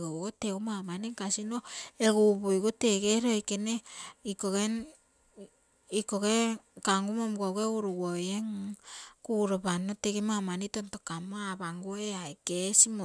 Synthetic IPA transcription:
ɡoɡoteumamanikasinoeɡuβojɡoteɡeɾokeneikoɣen | ikoɡekaŋɡumomɡoɡeuɾuwojeŋ | kuɾoβanoteɡemamanitontokamoaβaŋɡoeaekesimo

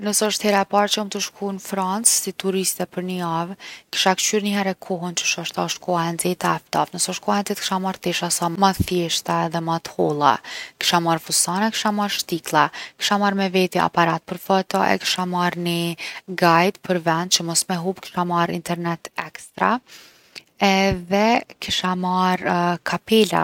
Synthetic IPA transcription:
nəsɛəʃt̪hɛɾaɛpaɾt͡ʃəumt̪əʃkʰunfɾant͡ssit̪uɾist̪ɛpəɾnəjavki̥ʃakt͡ʃyɾnəɦɛɾɛkʰɔɦənt͡ʃə̥ʃɔʃt̪aʃkʰɔaɛnzɛt̪aft̪ɔvnəsɔʃkɔaɛnzɛt̪̚kʃamaɾt̪ɛʃasamat̪θjɛʃt̪aðɛmat̪hɔlˠa̰ki̥ʃamaɾfusanɛki̥ʃamaɾʃt̪iklˠaki̥ʃamaɾmɛvɛt̪ia̰paɾat̪̚pəɾfɔt̪ɔʔɛ̰ki̥ʃamaɾniɡajt̪pʰəɾvɛnd̪̚t͡ʃəmɔsmɛɦupki̥ʃamaɾḭnt̪ɛɾnɛt̪ɛkst̪ɾa | ɛðɛkiʃamaɾkʰapɛla̰

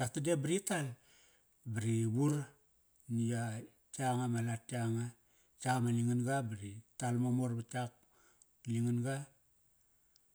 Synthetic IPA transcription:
tatadebiɾital | baɾibuɾ | nija | t͡ʃaŋamalataŋa | t͡ʃamaliŋinɡabaɾitalmomoɾbat͡ʃak | liŋinɡa

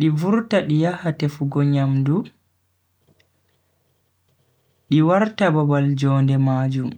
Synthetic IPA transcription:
ɗivuɾtaɗijahatɛfuɡɔɲamdu | ɗiwaɾtababald͡ʒɔːndɛmaːd͡ʒum

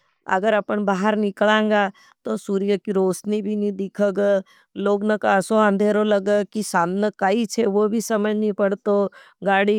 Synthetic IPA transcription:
ɐ̰ɡəɾɐpənbaːɦəɾnɪklãːŋ̆ɡa | t̪osuːɾijəkiɾoːsnibʱinĩd̪ɪkʰəɡə | loːɡnɐkaːsoə̃nd̪ʱeːɾolɐɡəkisaːmnəkait͡ʃʰeʋobʱisɐməd͡ʒʱnipɐɽt̪o | ɡaːɽi

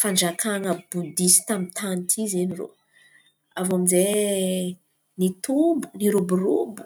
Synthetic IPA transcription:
faɳd͡ʒakaŋəbud̪isi̥t̪amit̪ʰanit̪ʰizeniro̰ | avamize | nit̪umbu̥niɾubuɾubu̥

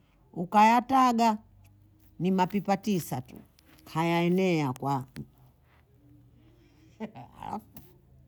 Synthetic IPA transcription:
ukajataɡa | nimapipatisatṵ | hajaɛnɛakwa | a̰la̰f

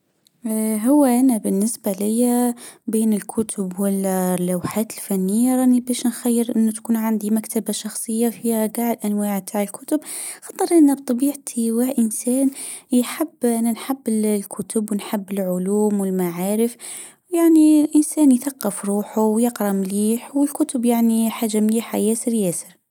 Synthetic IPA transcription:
ɦʊwːaʔanabɪnːɪsbalɪjːabeːnɪlkʰʊt̪ʰʊbwɪllːawħaːt̪ɪlfanːɪjːaɾˤɑːnibæːʃnxajːɪɾʔɪnːʊt̪ḁkuːnʕand̪imakt̪abaʃɑxsˤɨjːafihaɡaːʕɪlʔanwaːʕbt̪ʰaːʕɪlkʰʊt̪ʊbxɑt̪ˤːɨɾˤʔɪnːabt̪ˤɑbiːʕt̪ʰiwaʔɪnsæːnjħɪbːʔanːanħabːɪllkʰʊt̪ʊbwnħɪbːɪlʕʊluːmwɪlmaʕaːɾɪf | jaʕnilʔɪnsæːnjθaqːɪfɾˤuːħʊwjɪqɾˤɑmliːħwɪlkʊt̪ʊbjaʕniħaːʒamliːħa̰jæːsɪɾjæːsɪ̥ɾ

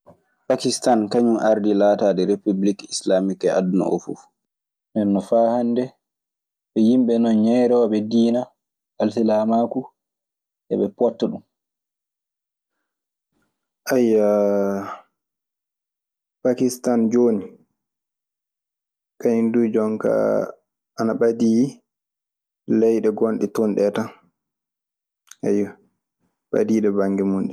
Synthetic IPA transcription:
pakistankaɲumʔaɾdilaːtaːdɛɾepublikislamikɛʔa̰dnɔ̰ʔo̰fṵf | nɛnːɔfaːhandɛ | ɓɛjimɓɛnɔnɲɛjɾɔːɓɛdiːna | alsilamaku | ʔɛ̰ɓɛpɔtːɔɗum | ʔajːa | pakistand͡ʒoːni | kaindud͡ʒɔŋka̰ | anaɓadiː | lɛjɗɛɡonɗɛtunɗɛta | ʔaja | ɓa̰diːɗɛbaŋɡɛmunɗɛ

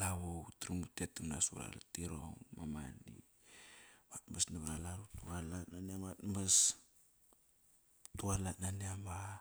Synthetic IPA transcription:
laβowtɾimutetimna̰suɾa̰latiɾo̰ŋmamanḭ | matmasnaβɾalaɾutualatnaniamatmas | tualatnaneama

